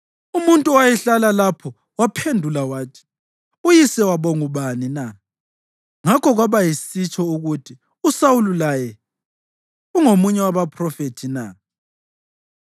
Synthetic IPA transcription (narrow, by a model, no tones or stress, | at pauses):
umuntʼuwajɛɬalalapʰɔ | wapʰendʱulawaːtʰi̥ | ujisɛwaβɔŋuβanina | ŋakʰɔɣwaβajisit͡ʃʰʼɔuɣutʰi | usawululajɛ | uŋomuɲɛwaβapʰʼrɔfetʰina̰